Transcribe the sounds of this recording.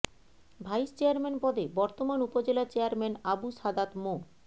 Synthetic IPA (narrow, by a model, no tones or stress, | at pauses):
bʱajst͡ɕeaɾmenpɔd̪ʱebɔɾt̪omanupod͡ʑelat͡ɕeaɾmɛnabusad̪at̪mo